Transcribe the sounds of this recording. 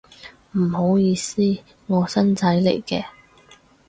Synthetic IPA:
m̩˨˩ho˨˥wjiː˧siː˥ | ŋɔː˨˧sɐ˥nt͡sɐ˨˥jlḛ˨˩jkɛː˧

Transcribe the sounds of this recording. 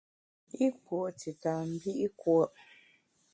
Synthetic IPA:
i˦pwo˨ti˨ta˨m̩˦bi˦ʔi˦kwɔ˦ʔ

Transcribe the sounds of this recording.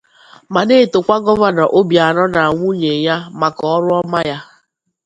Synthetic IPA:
ma˨ne˦˨to˨kʷa˦ɡɔ˦va˨na˨ʔo˦bja˨nɔ˦na˨ŋʷu˦ɲe˨ɲa˦ma˨kɔ˨ɔ˦ɾʊ˦ɔ˦ma˦ja˦

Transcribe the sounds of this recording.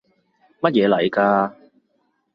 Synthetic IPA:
mɐ˥t̚jɛː˨˧lɐ˨˩jkaː˧

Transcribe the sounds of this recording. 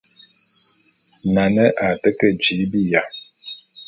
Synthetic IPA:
na˨nə˦ʔa˨tə˦kə˦d͡ʒi˨˦bi˦ja˨

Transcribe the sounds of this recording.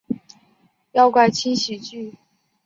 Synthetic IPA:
jɑ˥˧ʊkwa˥˩ɪt͡ɕʰi˥nɕi˨˩t͡ɕy˥˩

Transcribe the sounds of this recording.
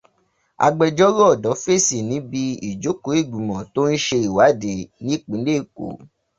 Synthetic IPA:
a̰˧ɡ͡bɛ˧d͡ʒɔ˦ɾɔ˦ɔ˦˨dɔ˨˦fe˦˨si˨nĩ˨˦bi˧i˨d͡ʒo˨˦ko˨˦i˦˨ɡ͡bũ˨mɔ̃˨to˦n̩˦ʃe˧i˨wa˨˦de˨nĩ˦k͡pĩ˨˦le˦˨ko̰˨˦

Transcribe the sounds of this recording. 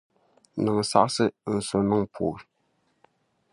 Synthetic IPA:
nɨ˨ŋ˨sa̰˦ʔsɨ˦˨so˨nɨ˦ŋpʰo̰˨

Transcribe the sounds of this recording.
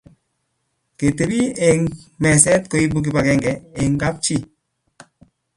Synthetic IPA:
ke˨te˨bi˦e˨ŋmɛ˨sɛ˦t̚ko˨˦i˦bu˦k̬i˨pa˨kɛ˦ŋɡɛ˨e˨ŋɡa˦p̚t͡ʃi˦

